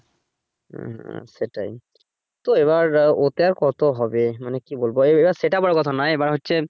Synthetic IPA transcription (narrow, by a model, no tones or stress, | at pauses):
seʈa̰j | t̪oeβaɾot̪eaɾkɔt̪oɦɔbemanekibolboeebaɾseʈabɔɽokɔt̪ʰanajebaɾɦotːɕʰe